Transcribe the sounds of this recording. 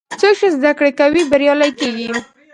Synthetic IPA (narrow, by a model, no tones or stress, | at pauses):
t͡sokʃəzd̪akɽekawibaɾjɑlajkeɡi